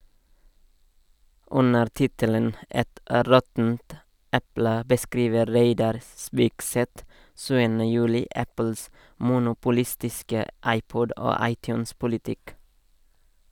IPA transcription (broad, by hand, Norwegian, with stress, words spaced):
ˈʉnəɾ ˈtɪtələn ˈɛt ˈɾɔtn̩t ˈɛplə bəˈskɾiːʋə ˈɾeɪdɑɾ ˈspiːkˌsɛt ˈʃʉːənə ˈjʉːlɪ ˈæpəls mʊnʊpʊˈlɪstɪskə ˈɑɪˌpɔd ˈoː ˈɑɪˌtjʉːnspʊlɪˌtɪk